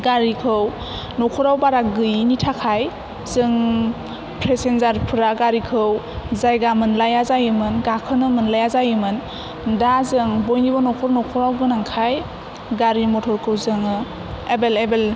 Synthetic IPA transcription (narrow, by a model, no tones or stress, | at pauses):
ɡaɾikʰɯw | nɔkʰɔɾawbaɾaɡɯjnitʰakʰaj | zɯŋ | pʰɾesenzaɾpʰɯɾaɡaɾikʰɯw | zajɡamɯnlajazajɯmɯnɡakʰɯnɯmɯnlajazajɯmɯn | dazɯŋbɔjnibɔnɔkʰɔɾnɔkʰɔɾawɡɯnaŋkʰaj | ɡaɾimɔtʰɔɾkʰɯwzɯŋɯ | ebelebel